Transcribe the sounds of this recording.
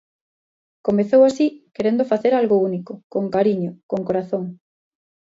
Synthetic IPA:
komeθowasikeɾend̪ofaθeɾalɣounikokoŋkaɾiɲokoŋkoɾaθoŋ

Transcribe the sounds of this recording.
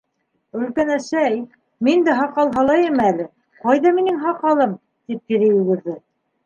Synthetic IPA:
ɵ̆lkænæʃæj | mind̪æɦɑqɑlˠɦɑlˠɑjɘmælɘ | qɑjðɑminɘŋɦɑqɑlˠɤm | t̪ip̚k̪iɾɘjʉɣɘ̆ɾðɘ

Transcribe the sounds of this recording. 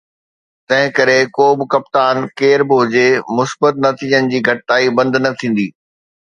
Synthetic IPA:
t̪ɐ̃ɦɪ̃kɐɾekoːbɪ̆kɐpt̪aːnkeːɾbʊɦʊd͡ʑemʊsbət̪̚nɐt̪ʰiːd͡ʑənɪ̆d͡ʑiːɡʱɐʈɪt̪aːibɐ̃nd̪ʱnɐt̪ʰĩːn̆d̪iː

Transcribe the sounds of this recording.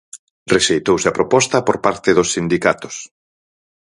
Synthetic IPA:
reʃejt̪owseɐpɾopɔst̪ɐpoɾpaɾt̪ɪðosːind̪ikat̪ʊ̥s

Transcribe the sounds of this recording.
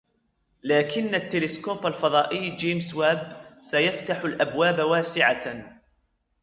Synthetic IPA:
laːkɪnːat̪ːɪlɪskoːbalfɑðˤɑːʔɪjːd͡ʒeːmswaːbsajaft̪aħʊlʔabwaːbawaːsɪʕa

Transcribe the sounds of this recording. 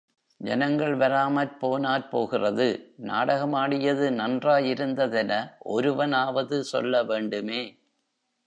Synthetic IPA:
d͡ʒɛ̰nɐŋɡɐɭʋɐɾaːmɐɾpoːnaːɾpoːɣɪrɐðɯna̰ːɽɐɣɐmaːɽɪjɐðɯnɐndraːjɪɾɯnd̪ɐðɛnɐʔɔɾɯʋɐnaːʋɐðɯsɔ̰lːɐʋeːɳɖɯmeː

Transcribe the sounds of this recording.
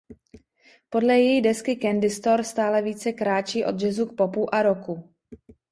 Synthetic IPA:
po̞dlɛjɛjidɛskɪkɛndɪst̪o̞ɾst̪aːlɛviːt͡sɛkɾaːt͡ʃiːʔo̞d̪ʒɛzuk̚po̞puʔaɾo̞ku

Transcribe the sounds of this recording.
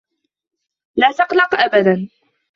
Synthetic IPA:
laːt̪ɑqlɑqʔabad̪an

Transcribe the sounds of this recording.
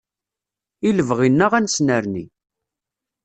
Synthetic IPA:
iləvʁinːəʁænsnəɾnḭ

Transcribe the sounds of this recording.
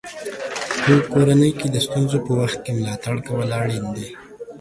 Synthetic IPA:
pəkoɾanəjked̪əst̪unzopəwaxt̪̚kemʊlɑt̪aɽkawəlɑɽend̪e

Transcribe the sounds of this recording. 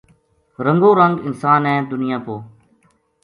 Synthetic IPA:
ɾəŋɡoːɾəŋɡɪnsaːnɛ̃ːd̪ʊnɪjãːpoː

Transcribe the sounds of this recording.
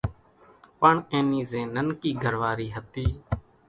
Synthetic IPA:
pəɳẽːniːzẽːnənkiːɡʱəɾʋaːɾiːɦət̪iː

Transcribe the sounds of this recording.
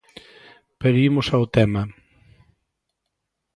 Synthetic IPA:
peɾimʊsawt̪ɛma

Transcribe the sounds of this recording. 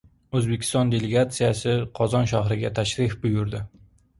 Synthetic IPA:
ɵzbe̞kʲʰɪ̥st̪ɒnd̪e̞leɡat̪sijasɪqʰɒzɒnʃaɦɾɪɡʲat̪ʰaʃɾɪfbʊjʊɾd̪ɪ

